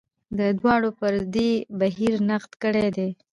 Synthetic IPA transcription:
d̪əd̪wɑɽopəɾd̪ebaɦiɾnaqt̪kəɽed̪e

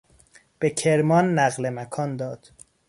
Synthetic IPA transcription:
b̥ecʰeɾmɒːnːæɣle̞mækʰɒːnd̪ɒːd̪̥

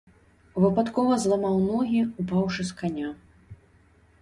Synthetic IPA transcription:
vɨpat̪kɔvɐzlˠamawnɔɣʲiupawʂɨskanʲa

